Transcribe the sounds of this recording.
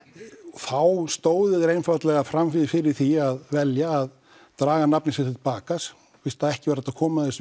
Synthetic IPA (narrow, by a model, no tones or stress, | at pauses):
θawst̪oːwðɪðɾejnfawt̪lɛɣafɾamfɪðɪ̥fɪɾɪɾ̥θiaðvɛljaːð | t̪ɾaːɣanap̚nɪsɪt̪ɪt̪paːkas | fɪst̪aðɛhcɪvaɾat̪akʰɔːmaθɛsʏ